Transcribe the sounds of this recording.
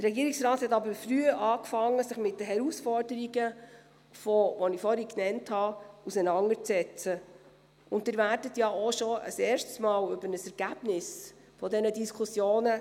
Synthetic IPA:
tərːɛɡiəɾiksɾɑːthɛtɑbəɾfryəʔɑːkfɑŋːəsɪχmɪtdəɦɛɾusfɔɾdəɾiɡə | fɔvɔnɪfɔɾiknɛnthɑusənɑŋət͡sɛt͡sə | ʊntɪːɾvæːɾdətjɑoʃɔə̰sɛːɾʃtsmɑːlɵbəɾnəsɛɾɡ̥æb̥nɪs | fɔdɛnədiskʰusjoːnə

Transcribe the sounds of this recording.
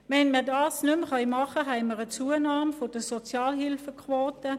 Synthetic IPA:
ʋɛnməɐdɑːsnʏmχœʏmɑχəɦɛɪməʁət͡suːənɑːmfod̥əsɔt͡sjɑːlɦɪlfəkʰwoːtə

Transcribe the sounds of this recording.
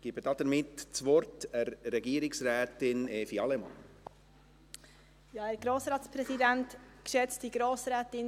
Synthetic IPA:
ɡ̥ibəd̥ɑːd̥̪əɾmɪtt͡sʋɔɾtɛɾːɛɡiːɾɪksɾɛːtɪneːfiɑlɛmɑ̰n | jɑːæɾɡ̥ɾoːsɾɑːtspɾɛsidæntkʃɛt͡std̥iɡɾoːsɾɛːtɪn

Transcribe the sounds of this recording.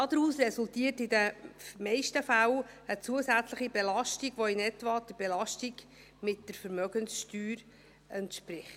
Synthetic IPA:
ɑd̪əɾuːsrɛsultiːərtɪdəmɛɪʃtəfæw | ət͡suəsæt͡sləχibelɑʃtiɡ̥ʋoɪnɛtvɑd̥̪əb̥ɛlɑʃtiɡ | mɪt̚d̥əɾfəɾmœɡənsʃtyːɾ | ɛntʃpɾɪχt

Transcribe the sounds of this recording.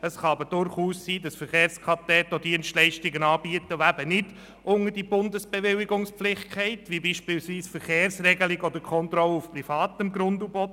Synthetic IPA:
əsχɑɑbəɾd̥ʊɾχuːsːiːdɑsfəɾχeːɾskʰʁɑtɛtodiənstlɛɪʃtɪɡənɑːbiətəʋoæbənɪd̥ | ʔʊŋəd̥ibʊndəsb̥eʋɪlɪɡʊŋspflɪχkχɛɪtʋibiːʃpɪlsʋiːsfəɾχeːrsrɛɡəlɪɡɔd̥əkʰɔnt̪ɾɔlːəufprifɑːt̪əmɡɾʊndubɔt

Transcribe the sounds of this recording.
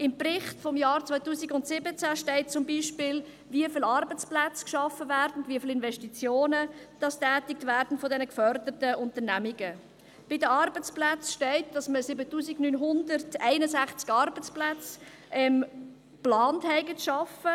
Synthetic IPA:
ɪmprɪχtfɔmjɑːɾt͡sʋɔʏɪtuːsiɡʊntsɪbət͡sæʃtɛɪt̚t͡sʊmbiːʃpɪl | viəfɪlɑːɾbət͡splæt͡skʃɑfːəvæːɾd̥n̩dviəfɪlɪnvɛʃtit͡sjoːnəd̥ɑstæːtɪk̚tvæɾd̥n̩fɔdɛnəkfœrdətəʊntərnæmiɡə | b̥ɪdəɑɾbət͡splæt͡sʃtɛɪt̚d̥ɑsməsɪbətuːsiɡnynɦʊndərtɛɪnəsæχt͡sɡɑɾbət͡splæt͡s | ʔɛm | plɑːnthɛɪɡətʃɑfə

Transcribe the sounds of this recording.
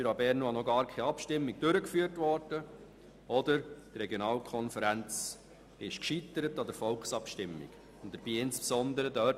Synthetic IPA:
fyɾɑbɛɾnoɑnɔɡɑːɾkʰɛɑpʃtɪmːiɡ̚d̥øɾəkfyːəɾtvɔɾd̥ə | ɔdəɾt̪ɾɛɡjonɑːlkʰɔnfəɾænt͡s | ɪʃkʃit̪ːəɾətɑd̥̪əfɔlksɑpʃtɪmːɪ̰ɡ̥ | ʊnd̪əɾb̥iːɪnspsɔnd̪əɾədœ

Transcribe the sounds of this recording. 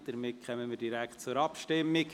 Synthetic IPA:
d̥əɾmɪt̚kʰχœmənmiːɾdiɾæktt͡sʊɾɑpʃtɪmːɪk

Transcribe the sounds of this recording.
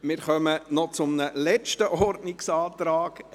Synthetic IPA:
mɪɾχœmənɔt͡sʊmnəlɛt͡ʃtəʔɔrdnɪksɑːt̪ɾaːɡ̥

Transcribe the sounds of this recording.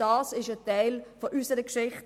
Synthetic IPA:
ɑːsɪʃətaɪlfɔʔysəɾəkʃɪχt

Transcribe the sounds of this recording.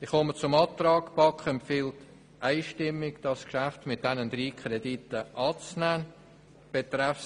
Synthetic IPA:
d̥iχɔmət͡sʊmɑt̪rɑːkpɑkχəɛmpfiːlt | ʔaɪʃtɪmːɪɡd̥ɑskʃæftmɪt̚d̥ɛnənd̥̪ɾiːkχɾeditəʔɑːt͡snæːn | b̥et̪ɾaf

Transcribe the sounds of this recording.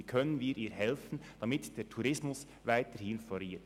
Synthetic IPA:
ikʰœnənviːɾʔiːɾhɛlfn̩ | d̥ɑmɪtd̥eːɾtʰuɾɪsmʊs | vaɪtəɾhɪnfɔliːt

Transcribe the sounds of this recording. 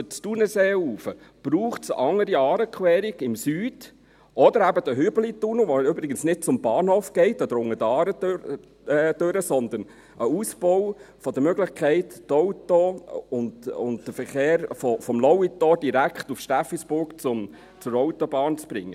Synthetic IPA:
ət͡stunəseːuːfə | b̥ɾuːχtsʔɑŋːəɾiɑːɾəkχwɛːɾiɡ̥ɪmsyːd̥ | ʔɔd̥̪əɾæbəd̥̪əɦʏbəlit̪unəʋoybɾɪɡənsnɪt̚t͡sʊmbɑːnhoːfɡ̥ɛɪtːɔd̥̪ɾʊŋːədɑːɾə | d̥øɾəsɔnd̪ən | ʔəuːsb̥ɔwfɔd̪əmøɡlɪχkʰɛɪtːɔwtɔʊndʊ̰ntd̥əfəɾχeːɾfɔfɔmlɔwit̪ɔd̥iɾækχt̪ufʃtæfisb̥ʊɾkt͡sʊm | t͡sʊɾɔʊtɔbɑːnt͡sb̥ɾɪ̰ŋːə

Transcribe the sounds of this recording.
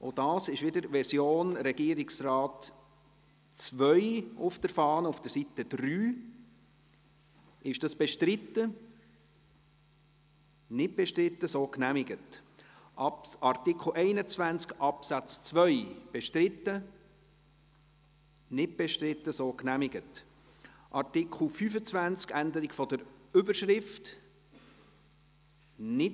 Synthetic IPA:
ʔod̥ɑːsɪʃʋɪdəɾʋɛɾsjoːnɾɛɡ̥iːɾɪksrɑːt | t͡svʋœʏʊfd̥əɾfɑːnəufd̥əɾsitəd̪̥ryː | ɪʃd̥ɑsb̥ɛʃtɾɪt̪ːə | nɪt̚b̥ɛʃtɾɪt̪ːəsoːknæmɪɡət | ɑɾtɪkχl̩ʔɛɪnət͡svænt͡skʔɑpsæt͡st͡svœʏb̥ɛʃtɾɪtːə | nɪt̚b̥ɛʃtɾɪtːəsoːknæmɪɡət | ʔɑɾtɪkχl̩ˠfyːfət͡svænt͡skænd̪əɾiɡfɔd̪əɾʏbəɾʃɾɪft | nɪ

